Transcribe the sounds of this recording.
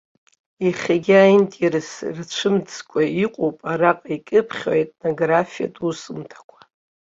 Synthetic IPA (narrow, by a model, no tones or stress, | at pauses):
iχʲaɡʲɪajntʼirɨsrt͡ʃʷʰɨmd͡zkʷʰʼaiqʷʼowpʼaraqʼikʲʼɨpʰχʲo̰etʼno̞ɡrafija̰tʼusɨmtʰḁkʷʰḁ